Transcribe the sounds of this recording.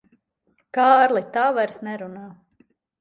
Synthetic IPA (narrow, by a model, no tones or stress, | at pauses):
kaːɾlˠit̪aːvajɾsnɛɾunaː